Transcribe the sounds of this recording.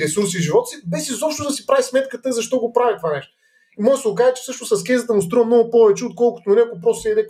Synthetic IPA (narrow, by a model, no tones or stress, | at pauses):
ɾɛsuɾsiʒivɔt̪ə̥sibɛsizɔpʃt̪od̪ɐsipɾavismɛt̪kət̪əzɐʃt̪ɔɡopɾavit̪ovanɛʃt̪o | iməsʊkazt͡ʃɛ̥fsɤʃnʊssɐskʲɛzət̪əmʊst̪ɾuəmnɔɡʊpɔvɛt͡ʃɛot̪̚kɔlˠkʊt̪onɾiɐkop̬ɾɔst̪sɛɛd̪ɛk